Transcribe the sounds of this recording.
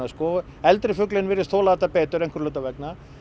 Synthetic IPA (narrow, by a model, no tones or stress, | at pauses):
askɔɛlt̪ɾɪfʏklɪnvɪːɾɪst̪ʰoːlaðɛt̪ːapeːt̪ʏɾejn̥ŋkʏɾlœːt̪avɛkna